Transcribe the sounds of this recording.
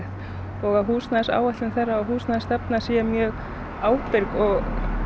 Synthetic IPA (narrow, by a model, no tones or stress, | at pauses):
t̪ | ɔɣaðɦuːsnaðsa̰ːwaht̪lɪnθɛrːaɔɦuːsnaðst̪apnasɛamjɛɣ | aːwpɪɾkɔɣ